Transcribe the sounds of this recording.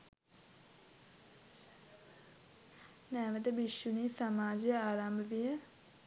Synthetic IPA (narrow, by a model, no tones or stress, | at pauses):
nɛːʋəd̪əbiʃjuniːsamaːd͡ʒijəaːɾambəʋijə